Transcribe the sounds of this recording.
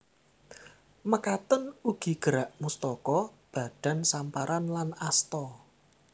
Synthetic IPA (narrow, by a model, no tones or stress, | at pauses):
məkat̪ənuɡ̥i̤ɡ̥əɾaʔmust̪ɔkɔb̥ä̤d̥a̤nsampaɾʔanlanast̪ɔ